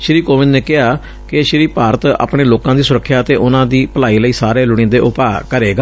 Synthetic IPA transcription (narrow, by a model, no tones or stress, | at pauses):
ʃɾiːkoːʋɪnneːkɪɦaː | kɪʃɪɾiːpaːɾət̪a̰ːpɽeːloːkãːd̪iːsʊɾəkʰːjaːət̪eːʔʊnãːd̪iːpəlaːiːləiːsaːɾeːlʊɽ̃ĩːd̪eːʔʊpaːkəɾeːɡaː